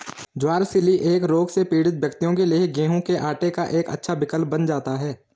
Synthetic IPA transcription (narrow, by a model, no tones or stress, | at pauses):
d͡ʒwaːɾsɪliʔeːkɾoːɡsepiːɽɪt̪wjɐkt̪ijõkelieɡẽːɦõkeʔaːʈekaʔeːkɐ̰tːʃʰabɪkəlpbənd͡ʒaːt̪aɦɛː